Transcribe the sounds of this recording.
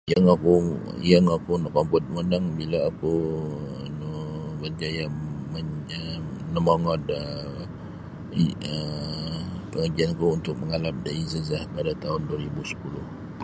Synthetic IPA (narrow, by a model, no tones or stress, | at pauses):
jaŋakujaŋakunɔʔkampʊt̪̚mənaŋbilaakuənubərd͡ʒajaməənəmaŋɔt̪̚ə | ə | pəŋəd͡ʒianakuunt̪ʊk̚məŋalap̚daizəzahpadat̪aɦʊnduaɾibusə̥pulʊh